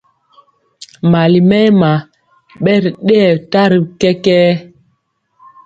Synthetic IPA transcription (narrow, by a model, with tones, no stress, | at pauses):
ma˨li˨mɛ˦ma˨ | ɓɛ˦ɾɗɛ˦ɛ˨ta˦ɾi˨kɛ˦kɛː˦